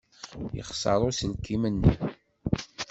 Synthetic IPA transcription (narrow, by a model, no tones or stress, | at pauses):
jə̰χsɑ̰ɾˤosəlkimənːə